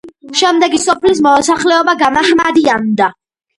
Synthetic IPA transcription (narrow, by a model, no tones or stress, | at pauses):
ʃɛmd̪ɛɡisɔpʰlis̬mɔɔsaχlɛɔbaɡamahmad̪iand̪a